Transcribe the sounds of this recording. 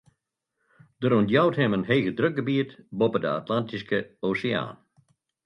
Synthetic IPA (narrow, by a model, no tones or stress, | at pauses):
d̥əɾuntjawthɛmənɦeːɣədrøk̚ɡəbiətbɔpədəa̰tlantiskəosəa̰ːn